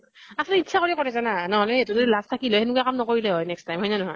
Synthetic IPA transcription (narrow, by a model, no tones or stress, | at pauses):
asɔlitːsʰakoɹiakɔɹɛzananɔɦɔlɛetuzodilastʰakilɔhenukujakamnɔkoɹilɛɦɔjnɛkstajmɦɔjzanɔɦɔj